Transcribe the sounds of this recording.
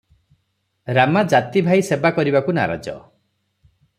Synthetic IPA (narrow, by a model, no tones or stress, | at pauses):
ɾamad͡ʒat̪ibʱajsebakɔɾibakuna̰ɾa̰d͡ʒɔ̰